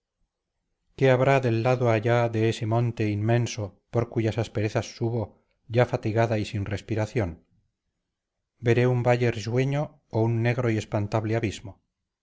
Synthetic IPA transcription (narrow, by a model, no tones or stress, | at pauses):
ke̞aβɾaðe̞lːaðoaʎaðeese̞mõ̞nt̪e̞inmẽ̞nso̞po̞ɾkuʝasaspe̞ɾe̞θasːuβo | ʝafat̪iɣaðaisinre̞spiɾaθjon | be̞ɾe̞umbaʎe̞ɾsweɲo̞ː | unːe̞ɣɾo̞ie̞spant̪aβleaβizmo